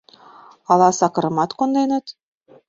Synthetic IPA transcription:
ɑlɑsɑkɤ̆ɾɤ̆mɑt̪kond̪enə̆t̪

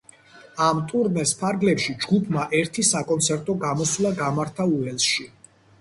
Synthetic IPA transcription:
amt̪ʼuɾnɛspʰaɾɡlɛpʃid͡ʒɡupʰmaʔɛɾt̪ʰisakʼɔnt̪sʰɛɾt̪ʼɔɡamɔswlˠaɡamaɾt̪ʰauɛlsʃi

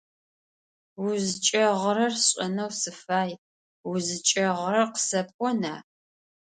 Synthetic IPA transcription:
wʊzɨt͡ʃʼɐʁəɾɐrɕʼɐnɐwsɨfaːj | wʊzɨt͡ʃʼɐʁɾɐqə̥sɐp̚ʼkʷʼɔna̰ː

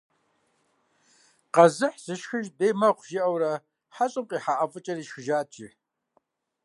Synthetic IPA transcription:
qɐzɨħz̥ɨʃxɨʒdeːmɐqʷʰʒɪʔɐwɾɐ | ħaɕʼɪmqʼiːħaʔɐfʼɨt͡ʃʼɐɾiːʃxɨʒaːt͡ʃʼiħ

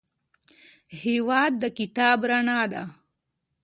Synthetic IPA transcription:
hewaːd̪̚ːəkɪt̪aːbɾanaːd̪a̰

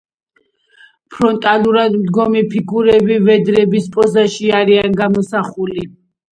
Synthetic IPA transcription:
pʰɾɔnt̪ʼaluɾad̪md̪ɡɔmipʰiɡuɾɛbivɛd̪ɾɛbispʼɔzaʃiaɾianɡamɔsaχuli

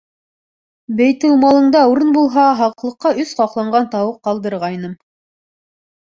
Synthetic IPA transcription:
bæjt̪ɘwmɑlˠɤ̆ɴd̪ɑuɾɤnbulˠɦɑɦɑqlˠɤ̆qːɑɵsqɑqlˠɑɴɢɑnt̪ɑwɤqːɑlˠd̪ɤ̆ɾʁɑjnɤm

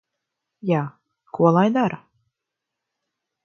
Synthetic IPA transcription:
jaː | kuɔlˠajd̪aɾa

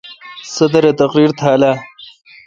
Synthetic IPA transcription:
sɐd̪ɐɾet̪ɐqɾiːɾt̪ʰaːla

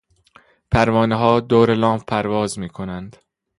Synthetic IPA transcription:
pʰæɾvɒːneɦɒːd̪oːɾelɒːmfpʰæɾvɒːzmiːkʰonænd̪̥

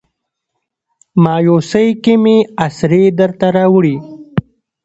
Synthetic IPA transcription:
mɑːjosəjkimiasɾed̪əɾt̪aɾaːwɽi

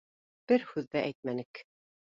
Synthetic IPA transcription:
b̥ɘɾhʉðːæʔæjt̪̚mænɘk

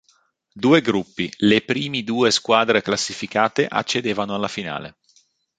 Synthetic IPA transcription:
d̪uːeɡɾupːilepɾiːmid̪uːeskwaːd̪ɾeklasːifikaːt̪eʔa̰t͡ʃːed̪eːvanoalːafina̰ːlḛ

